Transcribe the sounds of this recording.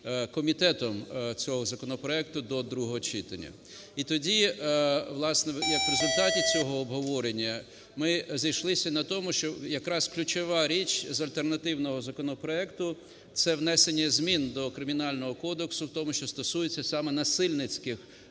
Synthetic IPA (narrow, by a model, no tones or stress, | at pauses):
kɔmʲit̪ɛt̪ɔmt͡sʲɔɦɔzɐkɔnɔpɾɔɛk̚t̪ʊd̪ɔd̪ɾuɦɔɦɔt͡ʃit̪ɐnʲɐ̰ | it̪ɔdʲi | ʋlˠɑsnɛjɐkʋɾezʊlʲt̪ɑtʲit͡sʲɔɦɔːbɦɔʋɔɾenʲːɐ | mɪzɐjʃlˠɪsʲɐnɐt̪ɔmʊʃt͡ʃɔjɐkɾɑsklʲʊt͡ʃɔʋɑɾʲit͡ʃʲzɐlʲt̪ernɐt̪ɪwnɔɦɔzɐkɔnɔpɾɔɛkt̪ʊ | t̪sɛwnɛsenʲːɛzmʲind̪ɔkɾɪmʲinɑlʲnɔɦɔkɔd̪eksʊwt̪ɔmʊʃt͡ʃɔst̪ɔsujet͡sʲːɐsɑmɛnɐsɪlʲnɪt͡sʲkɪx